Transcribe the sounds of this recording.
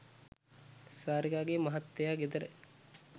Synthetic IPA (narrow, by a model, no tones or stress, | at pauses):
saːɾiɡaːɡemɐɦɐt̪ːejaːɡed̪ɐɾe